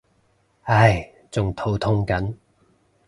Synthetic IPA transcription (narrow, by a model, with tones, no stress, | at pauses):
ɐ˥j | t͡sʊ˨ŋt̪ʰo˨˥wt̪ʰʊ˥ŋkɐ˨˥n